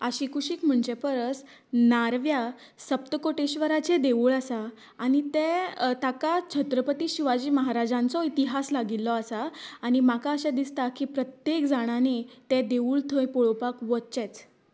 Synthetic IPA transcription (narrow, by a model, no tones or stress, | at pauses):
əɕikʰuɕiːkm̤əɳd͡ʑepəɾəs | naɾʋja | səp̚t̪əkoʈeɕʋəɾat͡sed̪eʋuɭəsaː | ɽ̃it̪ẽt̪akat͡ɕʰət̪ɾəpət̪iːɕiʋad͡ʑiːməɦaɾad͡ʑãnt͡sɔit̪iɦaslaɡilːɔəsaːɽ̃imakaəɕad̪ist̪akipɾət̪jekd͡zaɽ̃anet̪ɛd̪eʋuːɭt̪ʰəjpoɭopakʋətt͡ɕɛt͡s